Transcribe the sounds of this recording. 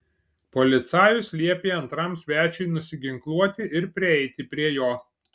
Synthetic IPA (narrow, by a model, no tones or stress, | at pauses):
pɔlʲɪt̪sɑːjʊslʲiɛpʲeːɐnt̪ɾɐˑmsʲʋʲæːt͡ʃʲʊɪnʊsʲɪɡʲɪŋklˠuɔt̪ʲɪʔɪɾpʲɾʲɪɛɪt̪ʲɪpʲɾʲiɛjoː